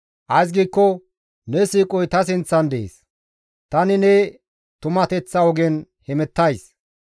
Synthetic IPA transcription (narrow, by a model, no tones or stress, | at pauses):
ʔɐjs̬ɡiːkːɔ | nɛsiːkʼɔjt̪ɐs̬ɪnt͡sːɐnd̪ɛʔḛːs | t̪ɐnɪnɛ | t̪ʊmɐt̪ɛt͡sːɐɔɡɛn | hɛmɛt̪ːɐjs